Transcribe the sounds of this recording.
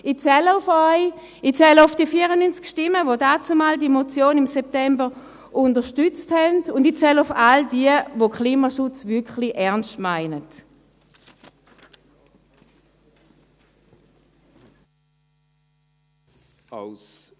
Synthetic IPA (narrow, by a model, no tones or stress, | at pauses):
it͡sɛləʊfɔʏ | it͡sɛləʊfd̥iəfiːəʁənynt͡skʃtɪmːəvodaːt͡sumaːldimot͡sjoːnɪmsɛp̚tɛmbəʁ | ʔʊndəʃtʏt͡sthɛndʊndit͡sɛlʊfaldiəvokʰliːmaʃʊt͡svʏɐkχliʔɛɐnstmaɪnət | s